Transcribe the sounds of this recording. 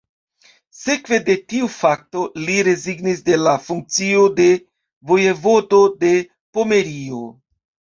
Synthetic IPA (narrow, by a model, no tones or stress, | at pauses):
se̞kve̞de̞tiufak̚to̞liɾe̞ziɡnis̬de̞lafuŋk̚t͡sio̞de̞ | vo̞jevo̞do̞de̞ | po̞me̞ɾio̞